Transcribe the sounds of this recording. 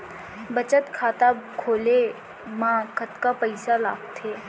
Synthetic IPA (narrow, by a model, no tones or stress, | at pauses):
bɐt͡ʃət̪kʰaːt̪akʰoːle | mãːkət̪kapəɪsala̰ːɡt̪ʰeː